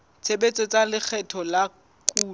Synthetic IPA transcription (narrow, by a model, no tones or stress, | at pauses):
t͡sʰebet͡sʼet͡sʼalɪk͡xʰɛtʰɔla | kʼuː